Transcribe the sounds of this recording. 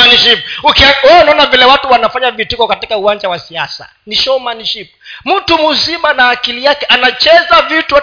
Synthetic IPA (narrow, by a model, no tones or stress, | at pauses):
aniʃip̚ukiɔɔnaɔnavilɛwatuwanafaɲavitikɔkatikauwand͡ʒawasiasa̰ | niʃɔmaniʃip̚m̩tumuzimanaːkilijakɛʔanat͡ʃɛzavitu